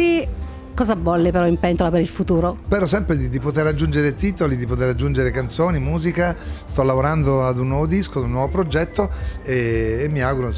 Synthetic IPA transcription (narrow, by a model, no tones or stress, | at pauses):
i | kɔːzabɔlːipeɾɔimpɛnt̪olapeɾilfut̪uːɾospɛːɾosɛmpɾed̪id̪ipot̪eɾad͡ʒːund͡ʒeɾet̪iːt̪olid̪ipot̪eɾad͡ʒːund͡ʒeɾekant̪soːnimuːzikast̪ɔlːavoɾand̪oad̪unːwɔːvod̪iskoad̪unːwɔvopɾod͡ʒɛt̪ːoeːmːiaɡuɾo